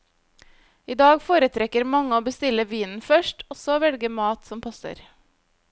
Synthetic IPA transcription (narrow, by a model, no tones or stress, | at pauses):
iːd̪ɑːɡfoːɾət̪ʰɾɛkəɾmɑŋəoːbəst̪ɪləʋiːnn̩fœʃʈʰɔsɔʋɛlɡəmɑːt̪sɔmpʰɑsə̰ɾ